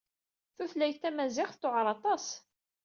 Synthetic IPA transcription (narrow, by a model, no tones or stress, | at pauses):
θuθlæjθæmæzɪχθt̪ːoʕɾˤɑt̪ˤɑs